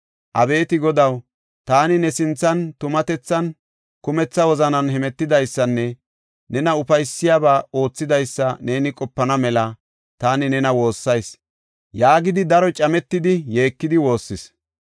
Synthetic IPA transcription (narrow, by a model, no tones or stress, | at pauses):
ʔɐbe̞ːt̪ɪɡɔd̪ɐw | t̪aːnɪnɛsɪnt͡sːɐnt̪ʊmɐt̪ɛt͡sːɐn | kʊmɛt͡sːɐwɔzɐnɐnhɛmɛt̪ːɪd̪ɐjsːɐnːɛ | nɛnɐʊfɐjsːɪjaːbaːo̞ːt͡sːɪd̪ɐjsːɐne̞ːnɪkʼɔpːɐnɐmɛlɐ | t̪aːnɪnɛnɐwo̞ːsːɐjs | jaːɡɪd̪ɪd̪ɐɾɔt͡ʃʼɐmɛt̪ːɪd̪ɪje̞ːkːɪd̪ɪwo̞ːsːɪs